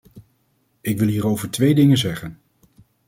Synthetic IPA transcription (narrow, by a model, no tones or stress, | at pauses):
ɪkʋɪlˠɦiːɾowvəɹtʋejdɪŋənzɛχən